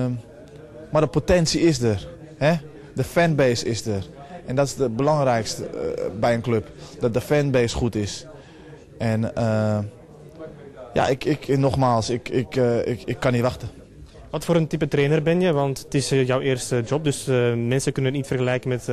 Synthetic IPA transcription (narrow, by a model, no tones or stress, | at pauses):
mardəpotɛnsiɪsdər | hɛ | dəfɛnbeːsɪsdərʔɛndɔtɪsdəbəlɑŋrɛjkstə̰bɛjənkløpdɔt̚dəfɛnbeːsxutɪs | ʔɛnə | ja̰ʔɪkɪknɔxmaːlˠsɪkɪkɪkʰːanitʋaxtə | ʋɔtfoːɾəntipətreːnərbɛnjəʋɑnttɪsjɔwɪːrstəd͡ʒɔp̚døsmɛnsəkønənitfərɣəlɛjkəmɛt